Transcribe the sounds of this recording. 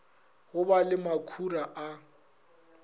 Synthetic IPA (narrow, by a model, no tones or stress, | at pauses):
ɣʊbalɪmakʰuraʔa